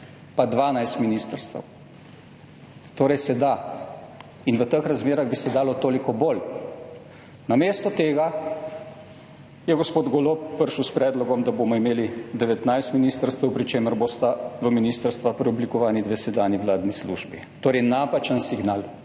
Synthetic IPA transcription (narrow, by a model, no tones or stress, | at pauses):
pad̪ʋaːnajst̪miniːst̪əɾst̪ə̰w | t̪oːɾɛjsɛd̪a | inʋət̪əxɾazmeːɾaɣbisɛd̪aːlɔt̪oːlikɔbol | nameːst̪ɔt̪eːɡa | jɛɡospoːd̪ɡolopːəɾʃuwspɾɛːd̪lɔɡɔmd̪aboːmɔimeːlid̪ɛʋɛt̪najst̪miniːst̪əɾst̪əwpɾit͡ʃeːməɾboːst̪aʋəminiːst̪əɾst̪ʋapɾɛublikɔʋaːnid̪ʋesɛd̪aːniwlaːd̪nislṵːʒbi | t̪oːɾɛjnapat͡ʃənsiɡnaːl